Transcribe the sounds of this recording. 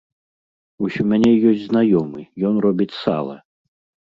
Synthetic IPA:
usʲɔmʲanʲɛjɔsʲd͡zʲznajɔmɨjɔnrɔbʲit͡sʲsa̰lˠɐ̰

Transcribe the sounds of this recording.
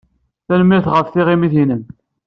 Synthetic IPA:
θænmːiɾθʁəfθiʁimiθinən

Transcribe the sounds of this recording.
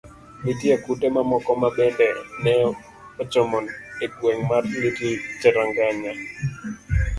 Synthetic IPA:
mitjekutemamɔkɔmabɛndɛnɛ | ɔt͡ʃɔmɔneɡweŋmarlitit͡ʃɛɾaŋɡaɲa

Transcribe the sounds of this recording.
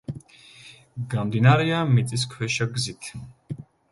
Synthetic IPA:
ɡamd̪inaɾɛamit̪sʼis̬kʰwɛʃaɡzit̪ʰ

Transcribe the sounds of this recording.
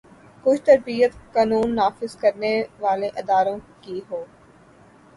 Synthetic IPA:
kʊt͡ʃʰt̪ɐɾbiːət̪kaːnuːnːaːfɪzkɐɾneʋaːleʔɪd̪aːɾõkiɦoː

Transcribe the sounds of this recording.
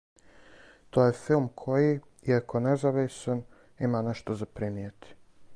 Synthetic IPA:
t̪ojefilˠmkʰoji | iakonɛzaʋisan | imanɛʃt̪ozapɾimiet̪i̥

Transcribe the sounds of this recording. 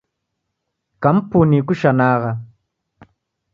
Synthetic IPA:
kam̩punikuʃanaːɣa

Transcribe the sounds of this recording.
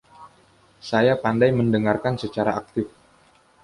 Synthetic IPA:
sajapandajməndəŋarkansət͡ʃaɾaak̚t̪ɪf

